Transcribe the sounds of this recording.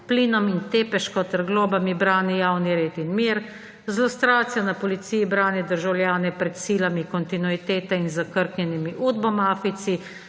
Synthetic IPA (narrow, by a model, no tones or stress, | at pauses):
pliːnɔmint̪eːpɛʃkɔt̪ɛɾɡloːbamibɾaːnijaːwniɾeːt̪inmiːɾ | zlɔst̪ɾaːt̪sijanapɔlit̪siːjibɾaːnɛd̪əɾʒawljaːnɛpɾɛt̪siːlamikɔnt̪inuit̪eːt̪ɛinzakəɾknʲɛnimiʔuːd̪bɔmaːfit̪si